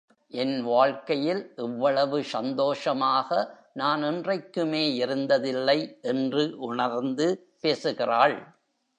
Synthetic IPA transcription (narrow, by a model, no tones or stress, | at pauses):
ʔɛnʋaːɻkɐjɪlʔɛʋːɐɭɐʋɯsɐnd̪oːʂɐmaːɣɐ | naːnɪndrɐɪkːɯmeːɪɾɯnd̪ɐðɪlːɐɪʔɛndrɯʔʊɳɐɾnd̪ɯ | peːsɯɣɪraːɭ